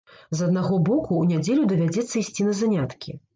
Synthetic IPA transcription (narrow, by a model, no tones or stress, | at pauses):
zɐd̪̚naɣɔbɔkuːnʲad͡zʲɛlʲud̪ɐvʲad͡zʲɛt̪sːɐisʲt͡sʲinɐzanʲat̪kʲi